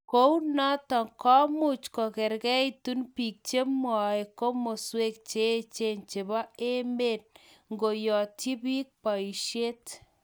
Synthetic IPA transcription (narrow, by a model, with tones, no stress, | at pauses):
ko˦u˦na˦tɔ˨ŋkɔ˦mu˦˨t͡ʃkɔ˨kɛ˨ɾkɛ˦i˦tu˦npi˨k̚t͡ʃe˦mwɔ˨i˨ko˦mo˨swe˦k̚t͡ʃe˦t͡ʃe˦˨nt͡ʃe˨ba˦e˦me˦˨t̚ | ŋɡo˨jɔ˨ti˦pi˦k̚pa˨i˨ʃje˦t